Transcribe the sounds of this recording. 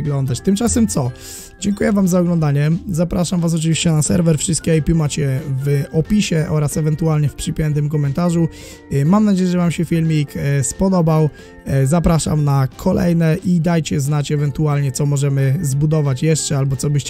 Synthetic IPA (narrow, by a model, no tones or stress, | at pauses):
ɡlɔnd̪at͡ɕt̪ɘmt͡ʂasɛmt̪sɔ | d͡ʑɛŋkujɛvamzaɔɡlɔnd̪aɲɛzapɾaʂamvas̬ɔt͡ʂɨvʲiɕt͡ɕɛnasɛ̰ɾvɛɾfʂɨst̪kʲɛajpʲjumat͡ɕɛvɔpʲiɕɛʔɔɾasɛvɛnt̪ualɲɛfpʂɘpʲjɛnt̪ɘmk̬ɔmɛnt̪aʐu | mamnad͡ʑejɛʐɛvamɕɛfʲilmʲikspɔd̪ɔbaw | zapɾaʂa̰mnakʰɔlɛ̰jnɛʔid̪ajt͡ɕɛznat͡ɕɛvɛnt̪ualɲɛt̪sɔmɔʐɛmɘzbud̪ɔvat͡ɕjɛʂt͡ʂɛalbɔt̪sɔbɘɕt͡ɕ